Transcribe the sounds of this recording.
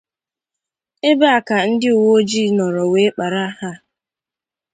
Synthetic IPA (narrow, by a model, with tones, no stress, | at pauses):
e˦be˦a˨ka˨n̩˦dɪ˦ʊ˨wo˦d͡ʒi˦nɔ˨ɾɔ˨we˨˦k͡pa˨ɾa˦ha˦